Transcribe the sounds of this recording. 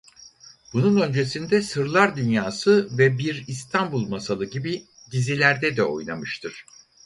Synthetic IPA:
bununø̞nd͡ʒe̞sind̪ɛsɯɾlˠaɾd̪ynjaːsɯvɛbiɾist̪ʰanbulˠmasalˠɯɟibi | ɟizilʲæɾd̪ɛd̪ɛo̞̰jna̰mɯʃt̪ʰɯɾ̝̥

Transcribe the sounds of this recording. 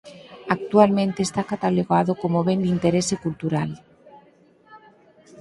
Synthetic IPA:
ak̚t̪ualmẽnt̪eːst̪akat̪aloɣaðokomoβend̪int̪eɾesekult̪uɾal

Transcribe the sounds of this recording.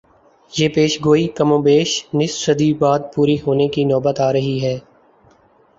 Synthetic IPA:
jeːpeːʃɡoːikəmõːbeːʃnɪssəd̪ibaːd̪̚puːɾiɦoːnekinɔːbət̪aːɾɐɦiɦɛː

